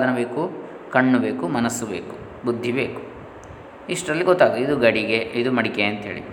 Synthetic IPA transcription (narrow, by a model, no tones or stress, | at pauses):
d̪ɐnɐbe̞ːku | kɐɳːube̞ːkumɐnɐsːube̞ːku̥ | bud̪ʱːibe̞ːku̥ | iʂʈɾɐlːiɡɔt̪ːaːɡid̪uɡɐɽiɡeid̪umɐɽikeɐnt̪ɦeːɭḭ